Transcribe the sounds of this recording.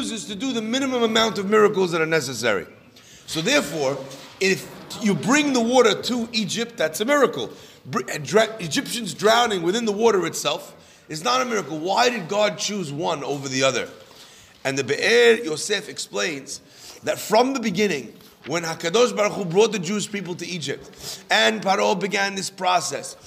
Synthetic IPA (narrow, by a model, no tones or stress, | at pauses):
uzɨz̥tʰɨdɨðɨmɪ̃nɨmə̃məmãʊ̃ntʌvmɪɹɨkl̩ˠzðəɾə˞nɛs̬ɨsɛ̰ɹḭ | soʊðɛɹfɔɹɪfjɨbɹɪ̃ŋðəwɔɾə˞tʰəʔid͡ʒɪp̚t̪̚ðætsɨmɪɹɨkl̩ˠ | bɹɨd͡ʒɪpʃɨ̃nzdɹãʊ̃nɪ̃ŋwɨθɪ̃nðəwɔɾə˞ɨtsɛlˠf | ɨznəɾəmɪɹɨkl̩ˠwaɪɾɨd̚ɡɑd̚t͡ʃʰʉzwʌ̃noʊvə˞ðiʌðə̰˞ | ɨ̃nðɨbɨʔɛɹjoʊsɛfɨksplẽɪ̃nz | ðɨtfɹʌ̃mðəbɨɡɪ̃nɪ̃ŋ | wə̃nhakɨdɔʊʃbaɹuχubɹɔt̪̚ðɨd͡ʒuʃpip̬l̩ˠtɨid͡ʒɪp̚tɨ̃npaɾolˠbɨɡæ̃nðɪspʰɹ̥ɑsɛ̰s